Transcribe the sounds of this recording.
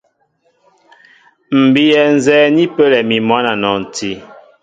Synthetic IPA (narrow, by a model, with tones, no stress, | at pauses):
m̩˨bi˦jɛ˨n̩˨zɛː˨˦ni˦pə˦lɛ˨mi˨mwa˦na˨nɔ˨n̩˨ti˦